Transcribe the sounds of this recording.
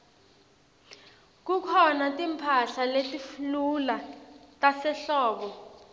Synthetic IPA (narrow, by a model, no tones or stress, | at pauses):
k̬ukʰɔnatʼimpʰaɬaletʼiflulatʼasɛɬɔːɓɔ